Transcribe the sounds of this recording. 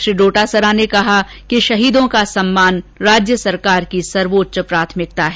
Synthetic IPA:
ʃɾiːɖoːʈasəɾanekɐɦa | kiʃɐɦiːd̪õkasɐmːaːnɾaːd͡ʒjəsɐɾkaːɾkisɐɾʋoːtːʃəpɾaːt̪ʰmɪk̚t̪aɦɛː

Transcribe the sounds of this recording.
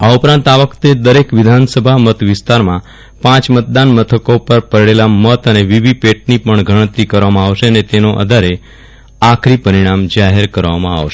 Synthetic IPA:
aupɾãnt̪aʋəkt̪ed̪əɾekʋɪd̪ʱansəbʱamət̪ʰʋɪst̪aɾmã | pãt͡ʃmət̪̚d̪anmət̪ʰəkopəɾpəɾɭelamət̪əneʋiʋipeʈ̚nipəɳɡʱəɽ̃ət̪ːikəɾʋamãaʋʃeənet̪enoʔə̰d̪ʱaɾe | akʰɾipəɾiɽ̃amd͡ʒaɦeɾkəɾʋamãa̰ʋʃe̥

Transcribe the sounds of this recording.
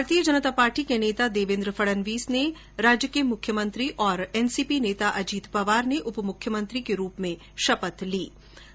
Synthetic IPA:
bʱaːɾt̪ijəd͡ʒɐnət̪apaːɾʈikeneːt̪ad̪eːʋɪ̃nd̪ɾəfʰɐɽənʋiːsne | ɾaːd͡ʒjəkemʊkʰːjəmə̃nt̪ɾiʔɔːɾɛːnsiːpineːt̪aʔɐd͡ʒiːt̪pɐʋaːɾneʔʊpmʊkʰjəmə̃nt̪ɾikeɾuːpmẽ | ʃɐpət̪liː

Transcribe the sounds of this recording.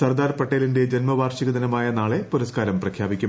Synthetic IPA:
sɐrd̪aːrpɐʈːeːlinde̞d͡ʑenmɐʋaːrʂiɣɐd̪ɐnɐmaːjɐnaːɭe̞puɾɐskaːɾɐmprɐkʰjaːbikʲːum

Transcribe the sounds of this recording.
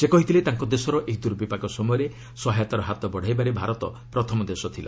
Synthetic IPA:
sekɔɦit̪ʰilet̪aŋkɔd̪esɔɾɔʔekd̪uɾbipakɔsɔmɔjɔɾe | sɔɦajt̪ɔɾɔɦat̪ɔbɔɽ̤ajbaɾebʱaɾɔt̪ɔ | pɾɔt̪ʰɔmɔd̪esɔt̪ʰila̰

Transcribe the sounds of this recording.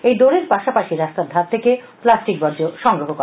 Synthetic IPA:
ejd̪oɾeɾpaʃapaʃiɾast̪aɾd̪ʱatt̪ʰeke | plasʈikbɔɾd͡ʑoʃɔŋɡɾoɦok

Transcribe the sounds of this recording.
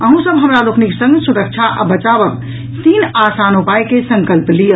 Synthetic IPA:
əɦũsəbɦəmɾalokniksə̃ŋɡsuɾək̚t͡ʃʰaʔa̰bət͡ʃabək̚ | t̪inasanupajkesə̃ŋkəlplijə

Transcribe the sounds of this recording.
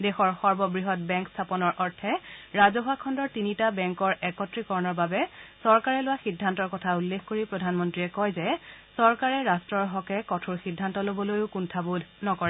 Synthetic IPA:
dɛxɔɹxɔɹbɔbɹiɦɔt̚bɛŋkstʰapɔnɔɹʔɔɹtʰɛɹazɔɦakʰɔndɔɹtinitabɛŋkɔɹɛkɔtɹikɔɹɔnɔɹbabɛsɔɹkaɹɛlʊwaxidʱːantɔɹkɔtʰaulːekxkoɹipɹɔdʱanmɔntɹiɛkɔjzɛsɔɹkaɹɛɹastɹɔɹɦɔkɛkɔtʰuɹxidʱːantɔlobɔlojʊkuntʰabudʱnɔkɔɹɛ

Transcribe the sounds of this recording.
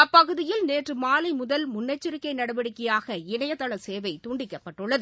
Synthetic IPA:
ɐpːɐɣɯðɪjɪlneːʈrɯmaːlɐɪmʊðɐlmʊnːɐt͡ʃːɪɾɪkːɐɪnɐɽɐʋɐɽɯkːɪjaːɣɐɪɳɐjɐt̪ːɐɭɐseːʋɐɪt̪uːɳɖɪkːɐpːɐʈːɯɭːɐðɯ

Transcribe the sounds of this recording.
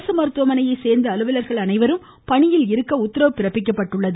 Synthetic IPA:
sɐmɐɾɯt̪ʋɐmɐnɐjɐɪseːɾnd̪ɐːlɯʋɐlɐɾɣɐɭɐnɐɪʋɐɾɯm | pɐɳɪjɪlɪɾɯkːɐʊt̪ːɪɾɐʋɯpːɪɾɐpːɪk̬ːɐpːɐʈːɯɭːɐðɯ

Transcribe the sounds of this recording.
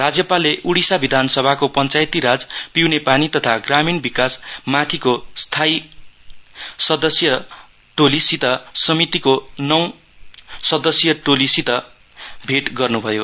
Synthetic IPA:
rad͡zjʌpalːeʔuɽisabid̪ʱanʌsʌbʱakopʌnt͡sajt̪iɾad͡zpiwnepanit̪ʌt̪ʰaɡraminbikasmat̪ʰikost̪ʰaj | sʌd̪ʌsjʌ | ʈolisit̪ʌsʌmit̪ikonʌw̃ | sʌd̪ʌsjʌʈolisit̪ʌ | bʱeʈɡʌrnubʱʌjo

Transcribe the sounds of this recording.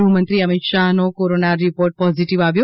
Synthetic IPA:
ɦumənt̪ɾiəmit̪ʃaɦnokoɾonaɾipoɾʈ̚pɔziʈiʋaʋjo

